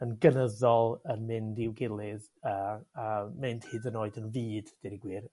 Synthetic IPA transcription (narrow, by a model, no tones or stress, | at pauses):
ənɡənəðɔlˠənmɪndɪwɡɪlˠɨð | əːamɨnd̥hɨːdənoːɨdənviːd̥d̥ɛɾiɡwiːr